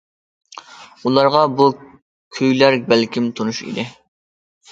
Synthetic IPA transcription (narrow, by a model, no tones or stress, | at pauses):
ulˠɑɾʁɑbu | kʲʰøjlæɾbælkʲimt̪ʰonuʃḭd̪ɪ